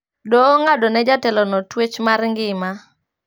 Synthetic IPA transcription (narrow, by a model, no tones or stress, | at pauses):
doːŋadɔnɛd͡ʒatɛlɔnɔtwet͡ʃmarŋɡɪma